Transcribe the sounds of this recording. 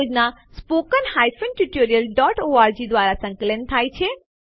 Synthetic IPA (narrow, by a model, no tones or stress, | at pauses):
d͡ʒnaspokənhajfənʈuʈoɾijəlɖɔʈoaɾd͡ʒid̪ʋaɾasə̃ŋkələnt̪ʰajt͡ʃʰe